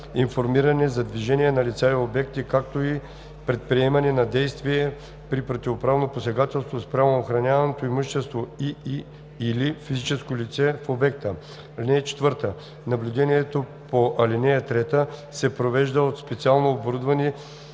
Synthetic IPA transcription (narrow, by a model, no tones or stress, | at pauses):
infoɾmiɾɐnɛzɐd̪viʒɛnijɛnɐlʲit̪saiobɛkt̪ikakt̪oi | pɾɛt̪̚pɾiɛmɐnɛnɐd̪ɛjst̪viɛ | pɾipɾot̪ʲivopɾavnoposɛɡat̪ɛlˠst̪vospɾavooxɾɐnʲavɐnot̪oimuʃt̪ɛst̪voi | ilifizit͡ʃɛskolʲit̪sɛfobɛk̚t̪ə | linɛjət͡ʃɛ̥t̪vɤɾt̪ə | nɐblʲud̪ɛniɛt̪opoʔɐlʲinɛjət̪ɾɛt̪əsɛpɾovɛʒd̪əot̪spɛt̪sialˠnoːboɾud̪vɐni